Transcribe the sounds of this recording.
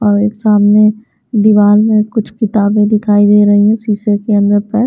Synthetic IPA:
ɔːɾeːksaːmne | d̪ɪʋaːlmẽkʊt͡ʃʰkɪt̪aːbẽd̪ɪkʰaːid̪eːɾɐɦiɦɛ̃siːsekeɐ̃nd̪əɾpə

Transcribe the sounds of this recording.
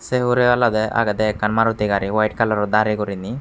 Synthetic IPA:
seɦuɾeɐlːɐd̪eʔa̰ɡɐd̪ekɐɳmaːɾut̪iɡaːɾiʋɐjʈkɐlːɐɾod̪aːɾiɡuɾinːi

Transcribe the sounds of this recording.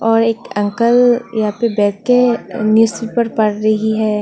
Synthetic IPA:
ɔːɾeːkɐ̃ŋkəljɐɦãːpebɛːt̪̚kenjuːsipɐɾpɐɽɾɐɦiɦɛː

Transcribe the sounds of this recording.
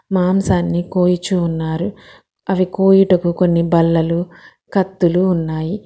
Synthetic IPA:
maːmsaːnːikoːjit͡ʃuːnːaːɾu | ɐʋikoːjiʈɐkuko̞nːibɐlːɐlu | kɐt̪ːuluːnːaːji

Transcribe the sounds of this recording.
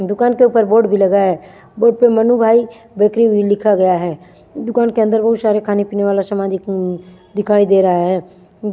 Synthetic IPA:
d̪ʊkaːnkeuːpəɾboːɖbʱilɐɡaɦɛː | boːɖ̚pemɐnubʱaːi | beːkɾiilɪkʰaɡɐjaɦɛː | d̪ʊkaːnkeə̃nd̪əɾbɐɦut̪saːɾekʰaːnepiːneʋaːlasəmãd̪ | d̪ɪkʰaːid̪eːɾɐɦaɦɛː

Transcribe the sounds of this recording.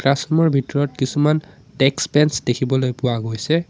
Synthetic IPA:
kɹasɔmɔɹbʱitɔɹɔtkisuman | tɛkspɛnsdekʰibɔlojpʊwaɡojsɛ

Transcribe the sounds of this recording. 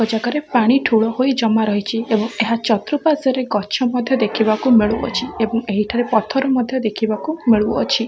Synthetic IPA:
ɔd͡ʒakɔɾepaɽ̃iʈʰuɭɔhojd͡ʒɔmaɾɔɦit͡ʃʰiebɔŋeɦat͡ʃɔt̪ɾupasɔɾeɡɔt͡ʃʰɔmɔd̪ʱjɔd̪ekʰibakumeɭuɔ̰t͡ʃʰiebɔŋeɦiʈʰaɾepɔt̪ʰɔɾɔmɔd̪ʱjɔd̪ekʰibakumeɭuɔt͡ʃʰi

